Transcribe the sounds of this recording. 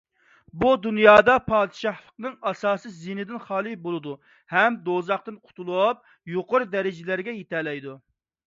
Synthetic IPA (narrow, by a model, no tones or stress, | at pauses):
bud̪unjɑːd̪ɑpʰɑːd̪ɨʃɑχlˠəqnɨŋɑsɑːsɨzinɪd̪ɪnχɑːlˠɨbolˠɨd̪u | hɛmd̪ozɑχt̪ɨnqʰʊ̥t̪ulˠup̚ | joqʊɾd̪ɛɾɪd͡ʒɪlæɾɡʲɛjet̪ʰɛlɛjd̪u